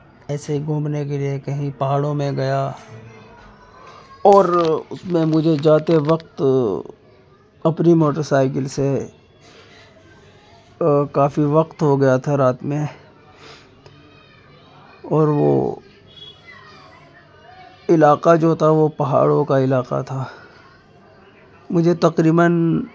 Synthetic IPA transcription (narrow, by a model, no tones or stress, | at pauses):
ɛːseiɡʱõːmnek̬eliekɐɦĩpɐɦaːɽõmẽɡɐja | ɔːɾʊsmẽmʊd͡ʒʱed͡ʒaːt̪eʋɐq̚t̪ | ɐpnimoːʈəɾsaːɪkɪlse | kaːfiʋɐqt̪ɦoɡɐjat̪ʰaɾaːt̪mẽ | ɔːɾʋo̰ | ɪlaːqad͡ʒoːt̪ʰaʋopɐɦa̰ːɽõkaɪlaːqa̰t̪ʰaː | mʊd͡ʒʱet̪ɐqɾiːbən